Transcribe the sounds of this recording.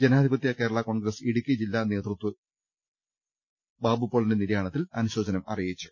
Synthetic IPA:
d͡ʑe̞naːd̪ʱibɐt̪ːjɐke̞ːɾɐɭɐko̞ɳɡɾɐsiɽukʲːid͡ʑilːaːne̞ːt̪rut̪wɨ | baːbupːoɭɐndeniɾɐjaːɳɐt̪ːilɐ̰nuɕo̞ːd͡ʑɐnɐmɐ̰rijit͡ɕːu̥

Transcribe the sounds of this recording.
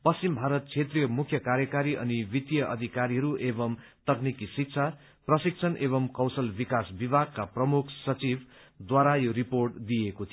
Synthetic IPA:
pʌst͡simbʱaɾʌt̪̚t͡sʰet̪rijʌmukʰjʌkaɾjʌkaɾiʔʌ̰nibit̪jʌʔʌ̰d̪ʱikaɾiɦʌɾuʔebʌmt̪ʌknikisik̚t͡sʰa | prʌsik̚t͡sʰʌnʔeβʌmkʌwsʌlbikasbibʱaɡ̚kaprʌmukʰsʌt͡sibd̪waɾajoɾiporʈd̪ijekot̪ʰi

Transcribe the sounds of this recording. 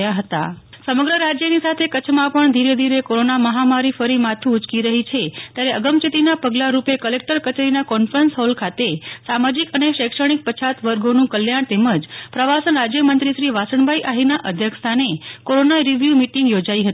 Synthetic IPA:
jaɦət̪a̰ | səməɡɾəɾad͡ʒjənisat̪ʰekət͡ʃʰmãpəɳd̪ʱiɾed̪ʱiɾekoɾonaməɦamaɾifəɾimat̪ʰuːt͡ʃkiɾəɦit͡ʃʰet̪jaɾeəɡəmt͡ʃit̪inapəɡlaɾupekəlek̚ʈəɾkət͡ʃeɾinakɔnfɾənsɦɔlkʰat̪esamad͡ʒikəneʃekʂəɽ̃ik̚pət͡ʃʰat̪ʋəɾɡonũkəljaɳ̃t̪eməd͡ʒpɾəʋasənɾad͡ʒjəmənt̪ɾiʃɾiʋasəɳbʱaiʔaɦinaʔəd̪ʱjəkst̪ʰanekoɾonaiɾiʋjumiʈiŋɡjod͡ʒaiɦət̪i

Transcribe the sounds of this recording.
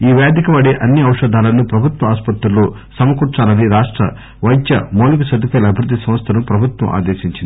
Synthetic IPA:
iːʋeːd̪ikɐʋɐɽeːʔɐnːiɐwʂɐd̪ʱaːlɐnupɾɐbʱut̪wɐaːspɐt̪ɾuloː | sɐmɐkuːɾt͡ʃaːlɐniɾaːʂʈɾɐ̰ | ʋɐjt̪jɐmoːlukɐsɐd̪ʱukɐːlɐbʱiɾud̪ːisɐ̃mɐst̪ʰɐnupɾɐbʱut̪wɐ̰mʔa̰ːd̪eːʃiɲt͡ʃind̪i

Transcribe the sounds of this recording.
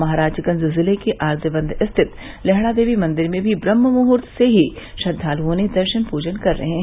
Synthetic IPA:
mɐɦaːɾaːd͡ʒkɐ̃nzɪlzɪlekeʔaːɾd̪əbə̃nd̪ʱɪst̪ʰɪt̪ | lɛɦɽ̃ad̪eːʋimɐ̃nd̪ɪɾmẽbʱibɾɐmːəmʊɦʊɾt̪ʰseɦiʃɐd̪ʱːaːluɦõned̪ɐɾʃənpuːd͡ʒənkɐɾːɐ̰ɦẽ

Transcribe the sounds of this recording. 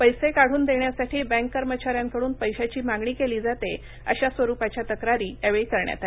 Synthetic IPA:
pəjsekaɽ̤uːnd̪eɳjasaʈiːbɛ̃ŋkːəɾmət͡ɕaɾjãŋkəɽuːnpəjɕat͡ɕiːmaɡɳiːkeliːd͡zat̪e | ə̰ɕasʋəɾupat͡ɕjat̪əkɾaɾiːəʋekəɾɳja̰t̪ale

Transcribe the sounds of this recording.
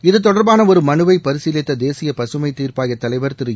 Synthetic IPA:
ɪðɯt̪ɔɽɐɾbaːnɐɔɾɯmɐnɯʋɐɪpɐɾɯsɪlɐt̪ːɐd̪eːsɪjɐpɐsɯmɐɪt̪ːiːrpaːɣɐt̪ːɐlɐɪʋɐɾt̪ɪɾɯj

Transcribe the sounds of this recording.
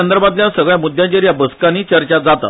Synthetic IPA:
ənd̪əɾbat̪ljasəɡɭjamud̪ʱjãt͡ɕeɾjabəskaniːt͡ɕəɾt͡ɕad͡zat̪a̰

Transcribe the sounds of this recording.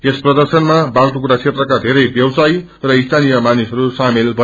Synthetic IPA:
esprʌd̪ʌrsʌnmabalt̪ukuɽat͡sʰet̪rʌkad̪ʱeɾʌjbjʌwsaj | rʌist̪ʰanijʌmanisʌɾusamelbʌ

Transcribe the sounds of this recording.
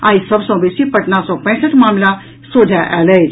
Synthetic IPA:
ãːisəbsɔ̃besipəʈnasɔpə̃j̃səʈmaːmla | sod̪ʱjaʔɛle

